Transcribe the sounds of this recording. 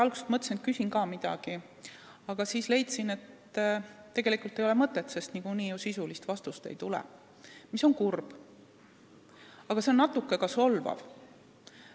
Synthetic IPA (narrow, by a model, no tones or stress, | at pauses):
ɑlɡ̥use̥t̪mɤt̪ːˑsinet̪̚kysinkɑːmid̪̥ɑ̰ɡ̥i | ɑɡ̥ɑsiːsle̞jt̪sine̞t̪ː | e̞ɡe̞likult̪ejo̞le̞mɤt̪ːˑet̪ːse̞st̪niɡuniːjusisulist̪vɑst̪ust̪e̞̰jt̪ulɛ̰ | miso̞ŋkurb̥ | ɑɡ̥ɑse̞o̞nːɑt̪ːˑukːˑe̞kɑso̞lvɑ̰v